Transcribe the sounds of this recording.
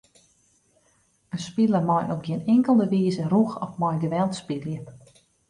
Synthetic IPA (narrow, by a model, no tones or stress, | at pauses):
ənspiləmɔjɔp̚ɡjiənɪŋkəlˠdəʋiːzəruxɔfmɔjɡəʋɛlˠtspiljə